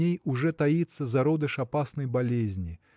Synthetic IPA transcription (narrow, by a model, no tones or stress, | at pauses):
ejuʐɛt̪ajɛt̪sːɐzaɾɔd̪ɐʂapasnɐjbalʲezʲnʲi